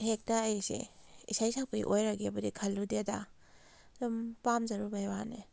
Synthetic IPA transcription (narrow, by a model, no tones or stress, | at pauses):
hek̚taajsḛḭsajsakpij̰ʔojɾaɡebɐdikʰalːudeda | dumpamzaɾubajwane